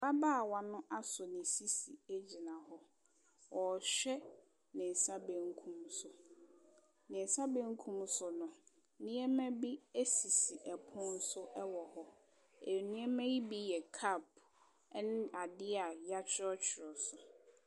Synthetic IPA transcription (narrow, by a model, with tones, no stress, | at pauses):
ba˦ba˦˨wa˦nʊ̃˦ʔa˦sʊ˨nɪ̃˨si˦si˨e˦d͡ʑi˨nã˨hɔ˦ | wɔ˨ɕᶣɛ˦ | nɪ̃˨n̩˨sa˦bɛ̃˦ŋ˦kʰũ˦msʊ˨ | nɪ̃˨n˨sa˦bɛ̃˦ŋ˦kʰũ˦msʊ˨nʊ̃˨ | nɪ̃˦ɛ˦mæ̃˦bi˦e˦si˨si˨ʔɛ˨pʰʊ̃˦n̩˦sʊ˦ʔɛ˦wɔ˨hɔ˦ | e˨nɪ̃˦ɛ˦mæ̃˦ji˦bi˦jɛ˨kʰa˦˨pʰ | nɪ̃˦ʔa˨dɪ˦a˨ja˦t͡ɕʰɪ˦ɔ˦t͡ɕʰɪ˨ɾɔ˨sʊ˨